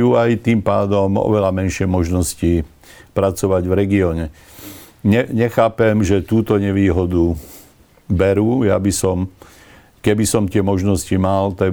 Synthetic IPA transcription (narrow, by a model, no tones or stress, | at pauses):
juːajt̪iːmpaːd̪ɔmɔ̰ʋɛlamɛnʃɪɛmɔʒnɔsci | pɾat͡sɔʋaɟvɾɛɡiɔːɲɛ | ɲɛɲɛxaːpɛmʒɛt̪uːt̪ɔɲɛʋiːɦɔd̪u | bɛɾuːja̰bisɔm | kɛbisɔmt̪ɪɛmɔʒnɔscimalt̪a